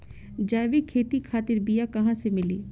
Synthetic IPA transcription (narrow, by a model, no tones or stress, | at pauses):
d͡ʒaːʋikʰeːt̪ikʰaːt̪ɪɾbɪjakɐɦãːsemɪliː